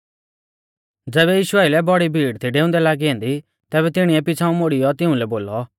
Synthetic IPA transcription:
d͡zɛːβɛjiːʃʊaːɪlɛbɔɽibʱiːɽt̪ʰiɖeːʊ̃nd̪ɛlaːɡiɦɛ̃ːnd̪i | t̪ɛːbɛt̪ɪɽ̃iɛpɪt͡sʰaːũmoɽijɔt̪ɪũlɛboːlɔ

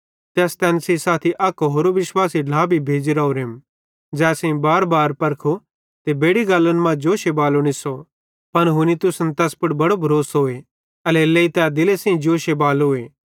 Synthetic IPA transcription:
t̪ɛːst̪ɛ̃ːnsisaːt̪ʰiʔɐkɦoːɾoʋɪʃwaːsiɖlaːbʱibʱeːd͡ʒiɾɐoɾem | d͡ʒɛːsẽĩbaːɾbaːɾpɐɾkʰo | t̪ebeːɽiɡaːlːənmãd͡ʒoːʃebaːloɽ̃ɪsɔ | pɐnɦʊnit̪ʊsnt̪ɛːspʊʈbɐɽobʱɐɾoːsɦoːe | ɐlɛlːeit̪ɛːd̪ɪlesẽĩd͡ʒoːʃebaːlɦoːeː

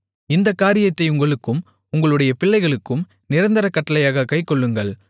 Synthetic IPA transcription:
ɪnd̪ɐkːaːɾɪjɐt̪ːɐɪʊŋɡɐɭɯkːɯm | ʊŋɡɐɭɯɽɐjɐpɪɭːɐɪɣɐɭɯkːɯm | nɪɾɐnd̪ɐɾɐkːɐʈːɐlɐjaːɣɐkɐɪkːɔɭːɯŋɡɐɭ

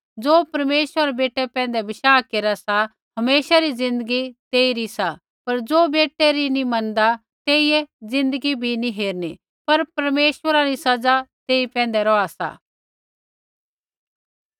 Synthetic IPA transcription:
d͡zoːpɐɾmeːʃaɾɛbeːʈːɛpɛ̃ːnd̪ɛbɪʃaːkeːɾasa | ɦɐmeːʃaɾizɪ̃nd̪əɡit̪eːiɾisa | pɐɾd͡zoːbeːʈɛɾinimɐnd̪a | t̪eːiɛd͡zɪ̃nd̪əɡibʱinĩɦeːɾni | pɐɾpɐɾmeːʃʋəɾaɾisɐd͡zat̪eːipɛ̃ːn̆d̪ɛɾɔasa̰ː

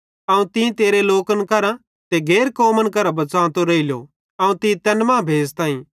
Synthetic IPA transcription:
ɐũt̪ɪ̃t̪eːɾeloːkənkɐɾã | t̪eɡʱeːɾkoːmənkɐɾãbɐt͡sãːt̪oɾɐiljo̰ | ɐũt̪ĩt̪ɐnmãːbʱeːd͡zt̪ãːĩː

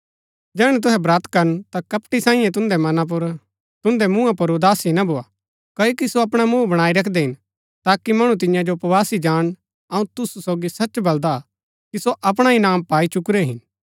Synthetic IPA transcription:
d͡ʒɛːɽ̃ɛ̃t̪̬ʊɦɛbɾaːt̪kɐɾənt̪akɐpʈisaːɪ̃jɛ̃t̪̬ʊ̃nd̪ɛmɐnãp̬ʊɾ | t̪ʊ̃nd̪ɛmũãpʊɾod̪aːsinɐbʱoːa | kɐjokisoɐpɽ̃amũːbɐɽ̃aːiɾɐkʰd̪ɛɦɪn | t̪aːkimɐɽ̃ũt̪̬ɪjãd͡ʒopʋaːsid͡ʒaːɽ̃ | ɐũt̪ʊsusoːɡisɐt͡ʃbɐld̪a | kisoʔɐp̬ɽ̃aɦinaːmpaːit͡ʃʊkɾɛɦɪn

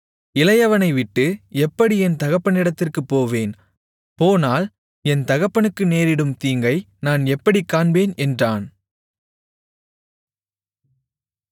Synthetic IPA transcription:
ɪlɐjɐʋɐnɐɪʋɪʈːɯɛpːɐɽiɛnt̪ɐɣɐpːɐnɪɽɐt̪ːɪrkɯpːoːʋeːn | poːnaːl | ɛnt̪ɐɣɐpːɐnɯkːɯneːɾɪɽɯmt̪iːŋɡɐɪ | naːnɛpːɐɽikːaːɳbeːnɛndraːn

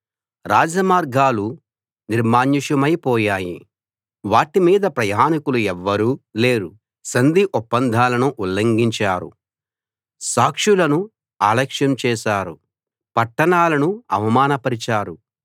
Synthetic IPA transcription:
ɾaːd͡ʒɐmaːɾɡʱaːlu | niɾmaːɲːiʂɐmɐjpɔːjaːjḭ | ʋaːʈimiːd̪ɐpɾɐjaːnikuluɛʋːɐɾuːle̞ːɾu | sɐnd̪iʔupːɐnd̪ʱaːlɐnuʔulːɐŋɡiɲt͡ʃaːɾṵ | saːkʂulɐnu | aːlɐkʂjɐmt͡ʃɛːʃaːɾu | pɐʈːɐɳaːlɐnuɐ̰ʋɐmaːnɐpɐɾit͡ʃaːɾu

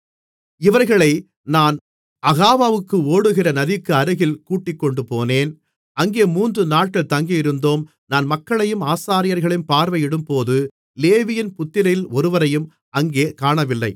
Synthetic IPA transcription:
ɪʋɐɾɣɐɭɐɪ | naːn | ʔɐɣaːʋaːʋɯkːɯoːɽɯɣɪrɐnɐðɪkːɯɐɾɯɣɪlkuːʈːɪkːɔɳɖɯpoːneːn | ɐŋɡeːmuːndrɯnaːʈ̚kɐɭt̪ɐŋɡɪjɪɾɯnd̪oːm | naːnmɐkːɐɭɐjɯmaːsaːɾɪjɐɾɣɐɭɪnpaːɾʋɐjɪɽɯmpoːðɯ | leːʋɪjɪnpʊt̪ːɪɾɐjɪlɔɾɯʋɐɾɐjɯm | ɐŋɡeːkaːɳɐʋɪlːɐɪ

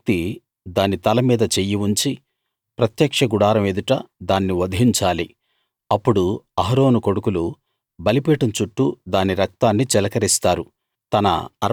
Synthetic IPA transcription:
t̪i | d̪aːnit̪ɐlɐmiːd̪ɐt͡ʃejiuɲt͡ʃi | pɾɐt̪jɐkʂɐɡuɽaːɾɐmed̪uʈɐd̪aːnːiʋɐd̪ʱɦiɲt͡ʃaːli | ɐpːuɽuɐɦɐɾo̞ːnuko̞ɽukulu | bɐlipɛːʈɐmt͡ʃuʈːud̪aːniɾɐk̚t̪aːnːit͡ʃɛlɐkɐɾist̪aːɾu | t̪ɐnɐ̰ɐ

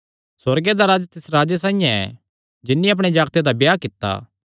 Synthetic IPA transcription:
sɐɾɡed̪aɾaːd͡ʒt̪ɪsɾaːd͡ʒesãːĩjãɛ̰ | d͡ʒɪnːĩɐp̬ɽ̃ed͡ʒaːɡt̪ed̪abjaːkɪt̪ːa̰ː

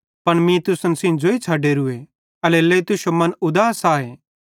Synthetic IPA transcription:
pɐɳmĩt̪ʊsənsĩd͡ʒoit͡sʰaːɖeɾʊe | ɐleleːt̪ʊʃomɐnʊd̪aːsaːeː

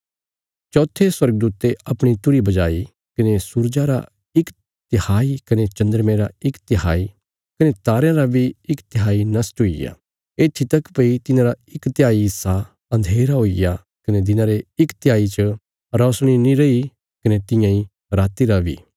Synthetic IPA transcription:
t͡ʃɔːt̪ʰːeswɐɾɡd̪uːt̪ːeɐpɽ̃it̪ʊɾibɐd͡ʒaːi | kɐnesuːɾd͡ʒaɾa̰ | ɪk | t̪ɪhaːikɐnet͡ʃɐ̃nd̪əɾmẽɾaɪkt̪ɪɦaːi | kɐnet̪aːɾjãɾabʱiɪkt̪ɪɦaːinɐsʈɦoḭja̰ | eːt̪ʰːit̪ɐkpɐit̪ɪnãɾaɪkt̪ɪjaːiɪsːa | ɐ̃nd̪ʱeːɾaɦoija | kɐned̪ɪnãɾeɪkt̪ɪjaːit͡ʃə | ɾɔːsɽ̃inĩɾɐi | kɐnet̪ɪ̃jãĩ | ɾaːt̪iɾabʱḭː

